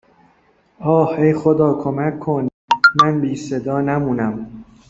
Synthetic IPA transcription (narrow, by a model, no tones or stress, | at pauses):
ɒːhejxod̪ɒːkʰomækʰːon | mænbiːsed̪ɒːnæmuːnæm